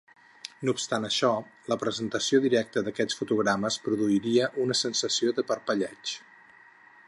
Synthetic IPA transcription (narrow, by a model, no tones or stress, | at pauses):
nupst̪anəʃɔləpɾəzənt̪əsioðiɾɛk̚t̪əðəkɛt͡sfut̪uɣɾaməspɾuðuiɾiəʔunəsənsəsioðəpəɾpəʎɛt͡ʃ